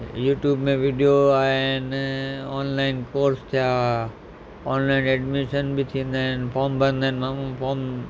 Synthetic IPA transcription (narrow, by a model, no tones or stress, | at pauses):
juːʈjuːbmẽʋɪɖijoaːɦenɔːnlaːɪnkoːɾst̪ʰija | ɔːnlaːɪnɛɖmiʃənbɪt̪ʰĩə̃nd̪aːɪnfʰɔːmbʱə̃nd̪aːnmaːmũpʰoːɾm